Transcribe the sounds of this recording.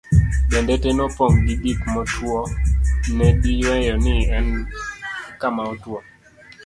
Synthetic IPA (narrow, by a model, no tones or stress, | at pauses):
bɛndɛtɛnɔpɔŋɡibikmɔtwɔnɛdijwɛjɔnɪɛn | kamaɔtwɔ